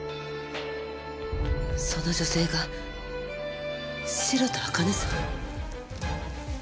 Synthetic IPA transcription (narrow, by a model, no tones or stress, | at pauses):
so̞no̞ʑo̞se̞ːɡa | siɾot̪oakanɯsɨa